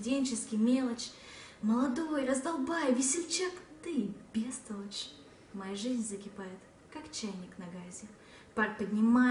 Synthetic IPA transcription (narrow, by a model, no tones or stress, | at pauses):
dʲenʲt͡ɕɪskʲɪjmʲe̞lˠət͡ɕməlˠɐd̪o̞jrəzd̪ɐlˠbajəvʲɪsʲɪlʲt͡ɕakt̪ɨbʲest̪əlˠət͡ɕ | mɐjaʐɨzʲnʲzəkʲɪpajɪt̪ | kakt͡ɕæjnʲɪknɐɡazʲɪ | parpədʲnʲɪma